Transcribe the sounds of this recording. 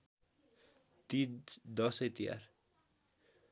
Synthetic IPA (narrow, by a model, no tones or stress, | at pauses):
t̪id̪ʌset̪ija̰r